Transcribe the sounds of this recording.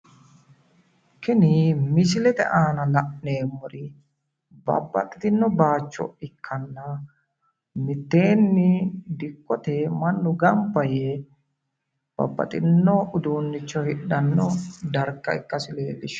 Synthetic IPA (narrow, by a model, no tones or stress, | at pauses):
kɪnimɪsɪlɛt̪ɛ̰ʔaːnɐlɐʔneːmɔɾɪ | bɐ̰bːɐ̰t̪ʼːɪ̥t̪ɪnːɔbaːt͡ʃːɔ̰ɪkʰːɐnːɐ | mɪt̪ːe̞ːnːɪd̪ɪkːɔt̪emɐnːʊɡɐmpːɐje | b̥ɐ̰bːɐ̰t̪ʼɪnːɔʔʊd̪uːnːɪt͡ʃːɔhɪɗɐnːɔd̪ɐɾkːɐɪkːɐsɪleːb̪ɪʃː